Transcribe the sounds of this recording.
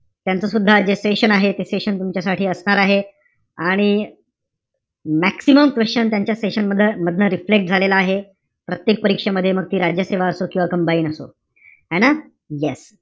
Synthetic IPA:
t̪jant͡səsud̪ʱːad͡ʑeseɕənaɦet̪eseɕənt̪umt͡ɕjasaʈʰiːəsɳaɾaɦe | aɽ̃i | mæksiməmkʋest͡ɕənt̪jaɲt͡ɕjaseɕənməd̪ʱːjəməd̪ʱnəɾiflek̚ʈ̚d͡zʱalelaːɦe | pɾət̪jek̚pəɾikʂeməd̪ʱjeməɡ̚t̪iːɾad͡ʑjəseʋaəsokĩwʋakəmbaiːnəso̰ | ɦɛna | jes

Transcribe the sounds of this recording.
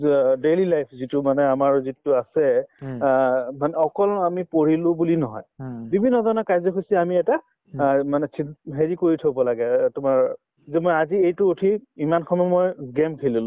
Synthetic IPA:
delilajpʰzitumanɛamaɹzitʊasɛ | manɛɔkɔlamipoɹilʊ̃bulinɔɦɔ̰jbibʱinːɔdɔnɔkajzɔkʰosɛamiɛta | manɛsʰinɦeɹikoɹitʰobɔlaɡɛtʊmaɹ | zɛmojaziejtʊotʰiimankʰɔmɛmojɡɛmkʰililʊ̃

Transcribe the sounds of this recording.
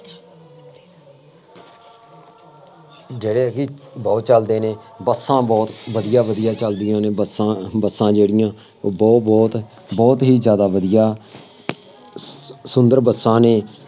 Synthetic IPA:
d͡ʒeːɽeːkibɔːt̪̚t͡ʃəld̪eːneːbəsːãːbɔːt̪ʋəd̪ɪjaːʋəd̪ijaːt͡ʃəld̪ɪjãːneːbəsabəsːãːd͡ʒeːɽɪjãː | bɔːbɔːt̪ | bɔːt̪ɦiːzjaːd̪aːʋəd̪ijaː | sʊnd̪əɾbəsːãːneː

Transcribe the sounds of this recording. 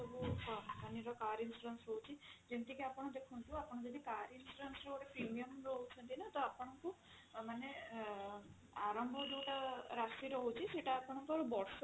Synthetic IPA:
ɔbupaniɾɔkaɾinsuɾensɾɔɦut͡ʃʰid͡ʒent̪ikiapɔɽ̃ɔd̪ekʰunt̪uapɔɽ̃ɔd͡ʒɔd̪ikaɾinsuɾensɾewʈepɾimijɔmɾɔɦut͡ʃʰɔnt̪inat̪ɔapɔɽ̃ɔŋku | mane | aɾɔmbʱɔd͡ʒewʈaɾasiɾɔɦut͡ʃʰiseʈaːpɔɽ̃ɔŋkuaɾubɔɽs

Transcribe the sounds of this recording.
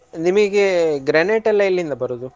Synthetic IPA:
nimɐɡeɡɾɐneːʈɐlːɐjilːind̪ɐbɐɾod̪u

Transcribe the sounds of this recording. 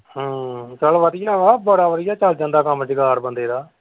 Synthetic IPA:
ɦãːt͡ʃəlʋəd̪ɪjaːʋaːbəɽaːʋəd̪ɪjaːt͡ʃəld͡ʒãːnd̪aːkəmt͡ʃɪɡaːɾbənd̪eːɾaː

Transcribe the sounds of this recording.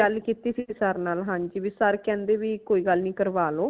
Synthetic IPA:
əlkit̪iːsisəɾnaːlɦãːɲd͡ʒiʋisəɾkɛ̃ːnd̪eːʋiːkoːiːɡəlnĩːkəɾʋaːloː

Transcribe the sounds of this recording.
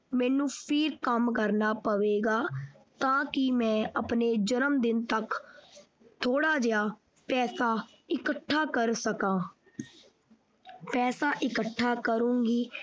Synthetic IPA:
mɛ̃ːnũːpʰɪɾkəmkəɾnaːpəʋeːɡaːt̪ãːkɪmɛ̃ːʔəpneːd͡ʒəɾəmd̪ɪnt̪ək | t̪ʰoːɽaːd͡ʒɪjaː | pɛːsaː | ɪkəʈʰːaːkəɾsəkãː | pɛːsaːʔɪkəʈʰːaːkəɾũːŋɡiː

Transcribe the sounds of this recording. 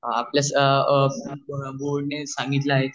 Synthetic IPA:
aapljas | boɽnesãŋɡit̪laːɦe

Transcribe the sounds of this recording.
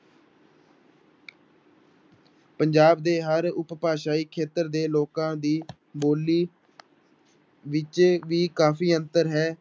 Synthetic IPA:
pəɲd͡ʒaːbd̪eːɦəɾʊppaːʃaːiːkʰeːt̪əɾd̪eːloːkãːd̪iː | boːliː | ʋɪt͡ʃʋiːkaːfʰiːənt̪əɾɦɛː

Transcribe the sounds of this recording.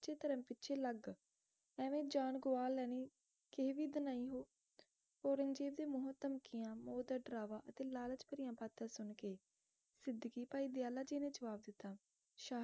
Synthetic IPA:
t͡ʃʰeːt̪əɾəmpɪtːʃʰeːləɡ | ɛːʋẽːd͡ʒaːnɡʊʋaːlːɛːniː | keʋiːd̪ənaːiːɦoː | poːɾəŋɡd͡ʒeːʋd̪eːmʊɦət̪ːəmkɪjãːmoːd̪əɖəɾaːʋaːʔət̪eːlaːlət͡ʃpəɾɪjãːpaːt̪ːãːsʊnkeː | sɪd̪kiːpaːiːd̪ɪaːlaːd͡ʒeːnẽːd͡ʒəʋaːb̚d̪ɪt̪ːaː | ʃaː

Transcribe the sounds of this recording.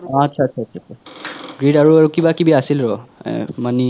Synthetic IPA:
ɔatːsʰatːsʰaːtːsʰatsʰaɡɹidaɹuaɹukibakibiasilɹɔɛ̰mani

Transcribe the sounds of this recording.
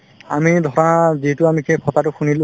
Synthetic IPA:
a̰midʱɔɹɔnazitʊamikʰekʰɔtatʊxʰunilʊ

